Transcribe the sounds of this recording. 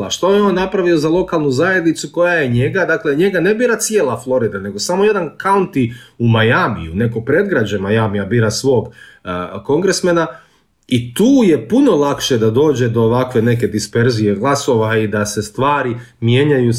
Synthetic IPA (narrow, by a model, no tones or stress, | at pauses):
aʃt̪ojeo̞ːnːapɾaʋio̞zalˠo̞kalˠnuzaje̞d̪nit̪suko̞jajeɲe̞ɡad̪akle̞ɲe̞ɡane̞biːɾat̪sijeːlˠaflˠo̞ɾid̪ane̞ɡo̞samo̞je̞d̪ankaunt̪iumajamḭjune̞kopɾe̞d̪̚ɡɾad͡ʑemajamijabiːɾasʋo̞ːɡ | ko̞ŋɡɾesmena | it̪uːje̞puno̞lˠakʃe̞d̪ad̪o̞ːd͡ʑe̞d̪o̞ːʋakʋe̞ne̞ke̞d̪ispe̞ɾzije̞ɡlˠaso̞ʋaid̪ase̞st̪ʋaːɾi | mjeːɲaju